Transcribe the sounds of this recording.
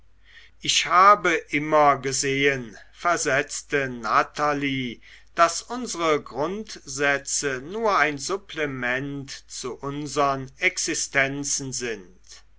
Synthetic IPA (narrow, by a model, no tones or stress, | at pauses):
ʔɪçhaːbəʔɪmɐɡəzeːən | fɛɐzɛt͡stənatʰaliː | d̥asʔʊnzəʁəɡʁʊntz̥ɛt͡sənuːɐaɪnzʊpʰlɛmɛntt͡suʔʊnzəʁənɛksɪstɛnt͡sn̩zɪn | t